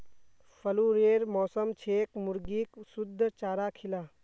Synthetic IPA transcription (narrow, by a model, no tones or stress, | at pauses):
pʰəluɾeːɾmɔːsəmt͡ʃʰeːkmʊɾɡiksud̪ʱːt͡ʃaːɾaːkʰilaː